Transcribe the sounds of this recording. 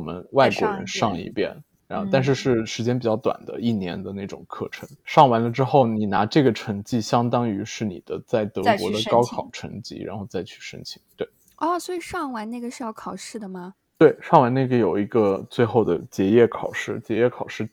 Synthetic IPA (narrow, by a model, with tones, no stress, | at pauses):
wɔ˨˩mə̰˦nwa˥˩ɪkwɔ̰˧˥ɻə̰˧˥nʂɑ˥˧ŋḭ˥˧pjɛ̰˥˩n | ɻa˧˥nxo˥˧t̪a˥˧nʂɻ̩˥˧ʂɻ̩˥˩ʂɻ̩˧˥t͡ɕjɛ˥npi˨˩t͡ɕjɑ˥˩ʊt̪wa̰˨˩nd̪ə̰˦i˥˩njɛ̰˧˥nd̪ə˧na˥˩ɪʈ͡ʂʊ̰˨˩ŋkʰɤ̰˥˩ʈ͡ʂʰə˧˥˦ŋʂɑ˥˩ŋwa˧˥nlə˧ʈ͡ʂɻ̩˥xo˥˩ʊni˨˩na̰˧˥ʈ͡ʂɤ˥˩ɡə˩ʈ͡ʂʰɤ˧˥ŋt͡ɕi˥˩ɕjɑ˥ŋt̪ɑ˥ŋy˧˥ʂɻ̩˥˩nḭ˨˩d̪ə˦t͡sa˥˩ɪt̪ɤ˧˥kwɔ̰˧˥d̪ə˧kɑ˥ʊkʰɑ˨˩ʊʈ͡ʂʰɤ̰˧˥ŋt͡ɕḭ˧˥ɻa̰˧˥nxo˥˧ʊt͡sa˥˧ɪt͡ɕʰy̥˥˩ʂə̰˥ŋt͡ɕʰi˧˩˥ŋt̪we˥˩ɪ | ɔ˥˩swɔ˧˥i˨˩ʂɑ˥˩ŋwa˧˥nna˥˩ɡə˩ʂɻ̩˥˧jɑ˥˩ʊkʰɑ˨˩ʊʂɻ̩˥˩d̪ə˩mɐ˩ | t̪we˥˩ɪʂɑ˥˩ŋwa˧˥na˥˩ɡə˩jo˨˩ʊi˧˥ɡə˧t͡swe˥˧ɪxo˥˩ʊd̪ə˩t͡ɕjɛ˧˥jɛ˥˩kʰɑ˨˩ʊʂɻ̩˥˩t͡ɕjɛ˧˥jɛ˥˩kʰɑ˨˩ʊʂɻ̩˥˩